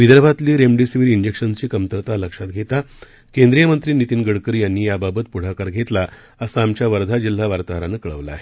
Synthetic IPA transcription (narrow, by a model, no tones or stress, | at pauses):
ʋid̪əɾbʱat̪liːɾemɖisiʋiɾind͡ʑekʂənt͡ɕiːkəmt̪əɾt̪aləkʂat̪̚ɡʱet̪a | kẽnd̪ɾijəmənt̪ɾiːnit̪iːnɡəɽkəɾjanːiːjababət̪puɽ̤akaɾɡʱet̪la | əsaːmt͡ɕjaʋəɾd̪ʱad͡ʑil̤ːaʋaɾt̪aɦɾanəkəɭəʋla̰ːɦe